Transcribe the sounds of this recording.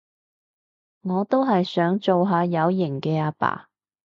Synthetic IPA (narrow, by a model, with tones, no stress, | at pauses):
ŋɔː˨˧t̪o˥wɦɐ˨jsœː˨˥ŋt͡so˨wɦaː˨˧jɐ˨˧˥wjɪ˨˩ŋkɛː˧aː˧pa̰ː˨˩